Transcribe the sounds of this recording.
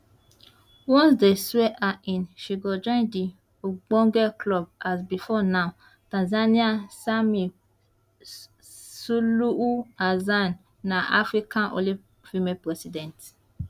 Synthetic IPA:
wɔ̃nsdesɛʔaĩnʃiɡɔd͡ʒɔ̃ndi | oɡ͡bɔ̃ŋɡɛkʰlɔb̚asbifɔnã | tãnzaniasami | suluuazanː | ãʔafɾikʰãnʔo̰li | fimepɾɛsidɛ̃nt

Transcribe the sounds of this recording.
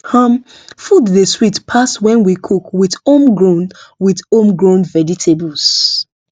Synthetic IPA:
hʌm | fudðeswitpʰaswɛ̃nwikʰukwiθomɡɹõnwiθõmɡɹõnvɛd͡ʒitʰebuls

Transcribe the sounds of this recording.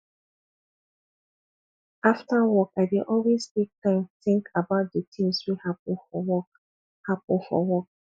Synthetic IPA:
aftawɔkaɪdiʔɔlwestek̚tãɪ̃mθɪ̃ŋkʰabaʊt̚dətĩmswihap̚fɔwɔk̚ | hapʊlfɔ̰wɔk̚

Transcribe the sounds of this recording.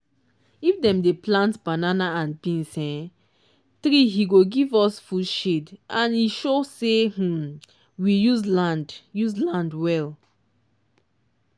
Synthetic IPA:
ifdɛ̃mdeplãntbananaãnbĩnsɛ̃ | tɾiɦiɡoɡivɔsfudʃedãniʃoseh̩ | wijuzlãndjuzlãndwɛl

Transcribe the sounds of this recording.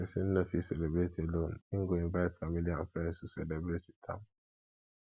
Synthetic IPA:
esin̩nəfiselebɾeteloniŋ̩ɡoĩmvaɪtfamiliãɱfɛn̩susɛlebɾetitʰa̰m

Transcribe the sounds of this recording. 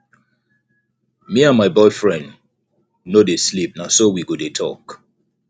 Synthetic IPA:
miãnmaɪbɔɪfɹɛ̃nd | nodeslip̚nasowiɡodetʰɔ̰k

